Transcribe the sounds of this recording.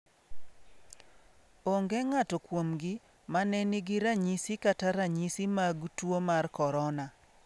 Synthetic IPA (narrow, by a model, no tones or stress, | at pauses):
oŋɡɛŋatɔkwomɡɪ | manɛnɪɡɪɾaɲisikataɾaɲisimaɡtwomarkɔɾɔna